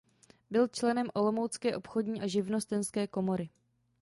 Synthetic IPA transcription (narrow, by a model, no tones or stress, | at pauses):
bɪlt͡ʃlɛnɛmʔo̞lo̞mowt͡skɛːʔo̞pxo̞dɲiːʔaʒɪvno̞st̪ɛnskɛːko̞mo̞ɾɪ